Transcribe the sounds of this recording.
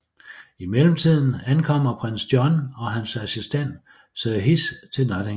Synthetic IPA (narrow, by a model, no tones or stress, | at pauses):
imeləm̩t͡sʰið̞̰ˠn̩ænkʰɒ̽m̰ɐpʰʁen̰sd̥jɒnɒ̽ɦænsæsisd̥en̰d̥ | sɦist͡sʰe̝lnɒd̥e